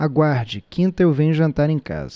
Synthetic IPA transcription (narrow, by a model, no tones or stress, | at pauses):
aɡwaɾd͡ʒɪkĩnt̪ɐewvẽɲʊʒɐ̃nt̪aɾẽj̃ka̰zɐ